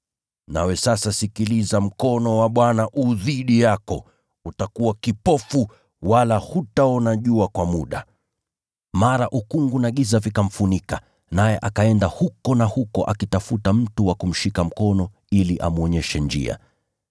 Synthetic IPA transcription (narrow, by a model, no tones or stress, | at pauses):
na̰wɛsasasikilizam̩kɔnɔwaɓwanaʔuðiɗijakɔ̰ | utakuwakipɔfu | walahutaɔnaʄuakwamuɗa | maɾaʔukuŋɡunaɠizavikam̩funika | najɛʔakaɛndahukɔnahukɔʔa̰kitafutam̩tuwakum̩ʃikam̩kɔnɔ | iliʔa̰muɔɲɛʃɛnd͡ʒḭa̰